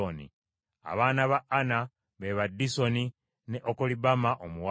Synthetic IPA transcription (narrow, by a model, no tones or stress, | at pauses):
onḭ | a̰βaːnaβaʔana | βe̞βadːiso̞ni | neʔokolibamaʔomuwa